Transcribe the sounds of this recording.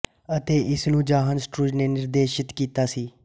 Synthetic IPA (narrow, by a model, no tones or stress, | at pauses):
ət̪eːʔɪsnũːd͡ʒaːɦənsʈɾuːd͡ʒneːnɪɾd̪eːʃɪt̪kiːt̪aːsiː